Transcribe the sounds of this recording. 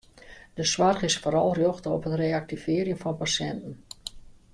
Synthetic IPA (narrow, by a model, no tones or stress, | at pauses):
d̥əsʋarχɪsfoːɾɑlˠrjoxtəɔpɦətreːak̚tivɪəɾjənfɔnpasjɛntən̩